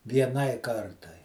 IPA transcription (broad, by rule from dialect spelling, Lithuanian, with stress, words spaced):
ʋʲiɛˈnɐɪ ˈkɐrtɐɪ